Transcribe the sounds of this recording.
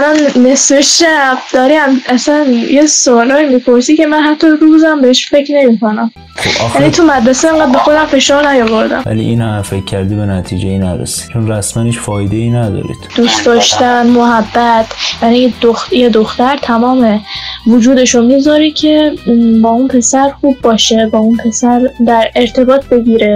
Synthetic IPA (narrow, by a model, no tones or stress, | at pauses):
ælɒnːesfeʃæbd̪ɒɾiæmʔæsænjesoːlɒːimipʰoɾsicʰe̞mænɦæt̪ʰːɒɾuzæmbeheʃfe̞cʰne̞mikʰo̞næm | ojæniːt̪ʰumæd̪ɾæseeŋɢæːd̪̚be̞xo̞d̪æmfe̞ʃɒːɾnæjovoɾd̪æ̰mvæ̰lḭʔinhæfecʲʰːæɾd̪ibenæt̪ʰid͡ʒejinæɾḛsi̥t͡ʃʰonræsmæniʃfɒːjd̪einæd̪ɒ̰ːɾḭd̪̥d̪̥uːsd̪ɒːʃt̪ænmoɦæbːæt̪ʰjænid̪oxjed̪oxt̪æɾt̪ʰæmɒːme̞vod͡ʒuːd̪e̞ʃomiːɡzɒːɾicʲʰe̞bɒːunpʰe̞sæɾxuːbːɒːʃe̞bɒːunpʰe̞sæɾd̪æɾe̞ɾt̪ʰe̞bɒːt̪̚ʰbe̞ɟiɾe̞